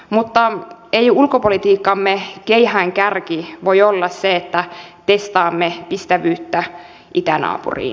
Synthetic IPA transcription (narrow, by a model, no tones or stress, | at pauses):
mut̪ːɑejulkopolit̪iːkːɑmːekeihæŋkærkiʋojolːɑsseet̪ːæt̪est̪ɑːmːepist̪æʋyːt̪ːæ | it̪ænɑ̰ːpṵrḭː